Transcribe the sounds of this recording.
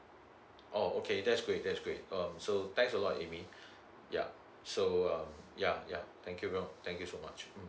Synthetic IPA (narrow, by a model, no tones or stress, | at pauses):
ʔookʰedɛtsɡ̥ɹet̚dɛtsɡ̥ɹet̚ʌ̃msot̪ɛ̃ŋksəlɔtḛmi | ja̰ | soʌ̃mjaja̰t̪ʰɛ̃ŋkjuvɛt̪ʰɛ̃ŋkjusomat͡ʃm̩